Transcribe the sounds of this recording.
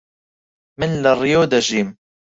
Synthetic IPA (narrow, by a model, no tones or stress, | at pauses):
mɪnlarːɪjoːd̪aʒiːm